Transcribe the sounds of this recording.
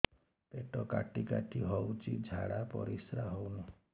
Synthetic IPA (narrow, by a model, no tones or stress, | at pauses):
t̪eʈɔkaʈikaʈʰiɦɔwt͡ʃʰḭd͡ʒʱaɽapɔ̰ɾisɾaɦownu